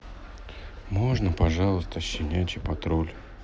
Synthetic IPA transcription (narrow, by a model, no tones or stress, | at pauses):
mo̞ʐnəpɐʐɑlˠəst̪əɕːɪnʲætʲɪpɐt̪ɾolʲ